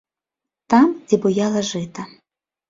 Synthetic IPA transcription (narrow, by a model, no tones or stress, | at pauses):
t̪ɑmd͡zʲibʊjɑlˠɐʒɪt̪ɐ